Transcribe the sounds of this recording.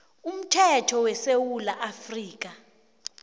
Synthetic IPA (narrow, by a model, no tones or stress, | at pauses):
um̩tʰɛtʰɔwɛsewulaʔafriːk̬ʼa